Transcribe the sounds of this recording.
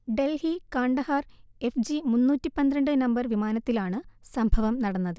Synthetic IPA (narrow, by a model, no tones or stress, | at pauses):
ɖe̞lhikaːɳɖɐhare̞fd͡ʑimunːuːtːipɐnd̪ɾɐɳɖɨnɐmbɐrʋimaːnɐt̪ːilaːɳɨsɐmbʱɐʋɐmnɐɽɐnːɐðɨ